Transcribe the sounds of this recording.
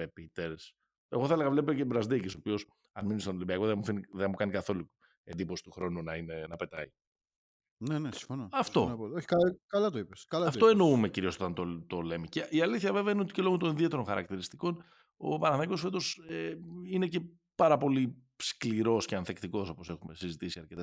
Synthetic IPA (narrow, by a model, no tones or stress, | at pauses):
epit̪eɾs | e̞̰ɣo̞θɐeleɣɐvle̞pecebɾɐzd̪ecisopio̞s | ɐnminist̪onolibiɐko̞ðemufiniðemukɐnikɐθo̞lu | e̞nd̪ipo̞si̥t̪uxɾo̞nunɐine̞nɐpe̞t̪ɐ̰i | nenesi̥fonoɐft̪o̞̰pooçi̥kɐkɐlɐt̪oipeskɐlɐɐfoe̞no̞ume̞ciɾio̞so̞t̪ɐnt̪ot̪ole̞miceiɐliθçɐveveɐineot̪ice̞lo̞ɣot̪o̞ninðie̞t̪eɾonxɐɾɐ̰kt̪iɾist̪iko̞n | o̞̰pɐnɐɐiko̞sfe̞t̪o̞seine̞ce̞ | pɐɾɐpo̞li | skliɾo̞sceɐnθekt̪iko̞so̞po̞se̞xume̞sizit̪isiɐɾcet̪ɐ